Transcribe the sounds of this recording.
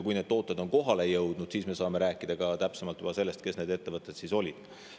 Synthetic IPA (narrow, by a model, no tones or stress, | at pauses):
kujne̞d̪̥̚t̪o̞ːt̪ˑːed̪o̞nko̞ɦɑle̞jɤwd̪̥nud̪̥siːsme̞sɑːme̞ɾæːkːˑid̪̥ɑɡɑt̪æpsemɑlt̪ːˑyb̥ɑse̞lːest̪̚ke̞sne̞ːd̪e̞t̪ːe̞vɤt̪ːˑe̞t̪siso̞lʲid̪̥